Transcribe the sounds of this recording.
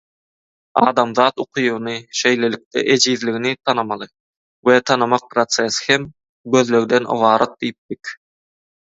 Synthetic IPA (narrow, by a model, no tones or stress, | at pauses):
ɑːd̪ɑmðɑːt̪uqʰujunɯʃe̞jle̞lik̚t̪ɛ̰ʔed͡ʒiːðliɣinit̪ʰɑnɑmɑlˠɯ | wet̪ʰɑnɯmɑq̚pɾot̪seshem | ɡøðlø̞ɣd̪enɯ̰βɑːɾɑt̪̚d̪ijip̚d̪ik